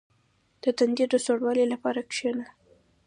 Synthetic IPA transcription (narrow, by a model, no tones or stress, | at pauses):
d̪̥ət̪and̪id̪d̪əsoɽwɑlelapɑɾakʂena